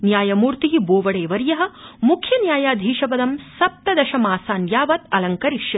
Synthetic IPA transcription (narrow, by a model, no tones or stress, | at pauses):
njaːjɐmuːɾt̪iɦiboːʋɐɽeːʋɐɾjɐɦɐ̆mukʰjɐnjaːjaːd̪ʱiːʃɐpɐd̪ɐmsɐp̚t̪ɐd̪ɐʃɐmaːsaːnjaːʋɐt̪ɐlɐŋkɐɾiʃjɐ